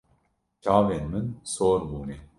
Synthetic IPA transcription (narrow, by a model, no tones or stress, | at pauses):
t͡ʃʰaːveːnmɨnsoːɾbuːne